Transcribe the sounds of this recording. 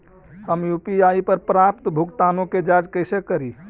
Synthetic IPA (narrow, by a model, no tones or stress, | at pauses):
həmjupiaipəɾpɾap̚t̪bʱukt̪anõked͡ʒad͡ʒkəɪsekəɾi